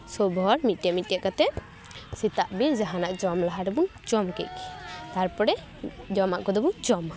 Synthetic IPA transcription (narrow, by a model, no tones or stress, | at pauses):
sɔbɔɾmit̪̚amit̪̚ːaʔkat̪ɛʔ | sit̪aʔbiɾd͡ʒaɦanaʔd͡ʒɔmlaɦaɾɛbuŋd͡ʒɔmkɛc̚ki̥t̪aɾpɔɾɛ | d͡ʒɔmaʔkɔd̪ɔbud͡ʒɔm